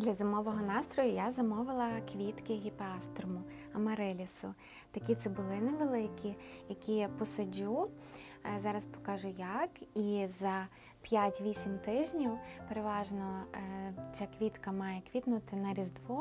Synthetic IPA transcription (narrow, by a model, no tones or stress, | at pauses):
d̪lʲɐzɐmɔʋɔɦɔnɑst̪ɾɔjʊjazɐmɔʋɪlˠɐkʋʲit̪kɪɦʲipɑst̪rmʊ | ɐmɐɾɛlʲisʊ | t̪ɐkʲit̪sɛbʊlˠɪnɛʋelˠɪkʲijɐkʲipɔsɐd͡ʒu | zɑɾɐspɔ̥kɑʒʊjakizɐ | pʲjatʲʋʲisʲimt̪ɪʒnʲiwpeɾeʋɑʒnɔ | t͡sʲakʋʲit̪kɐmɑjɛkʋʲit̪nʊt̪ɪnɐɾʲizd̪ʋɔ